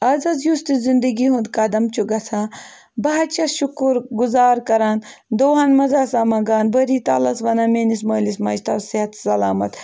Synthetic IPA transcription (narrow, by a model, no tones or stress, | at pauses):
ɐzɐzjust̪izind̪ɐɡiɦũnd̪kɐd̪ɐmt͡ʃuɡɐt͡sʰãː | bɐɦɐt͡ʃɐʃukuɾɡuzaːɾkɐɾaːn | d̪oːɦɐnmɐzaːsaːmɐɡaːnbəɾiːt̪a̰ːlɐsʋɐnameːnis̬mɐːlismɐʃt̪ɐsiɦɐt̪sɐlaːmɐt̪